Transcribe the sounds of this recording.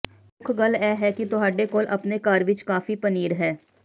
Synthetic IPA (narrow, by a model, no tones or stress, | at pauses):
pʊkʰɡəlɛːɦɛːkɪt̪ʊɦaːɖeːkoːlʔə̰pneːkaːɾʋɪt͡ʃkaːfiːpəniːɾɦɛː